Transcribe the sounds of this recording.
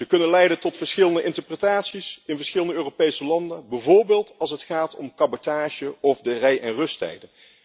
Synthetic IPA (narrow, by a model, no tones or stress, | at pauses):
z̥əkɵnənlɛjdəntɔtfəɹsχɪlˠəndəʔɪntəɹprətaːtsisɪnvəɹsχɪləndəøːropejsəlɑndənbɛvʊːɹbeːlˠtɑlˠs̬ətχaːtɔmkɑbotaːʒəɔvdərɛjʔɛnrɵstɛ̰jdən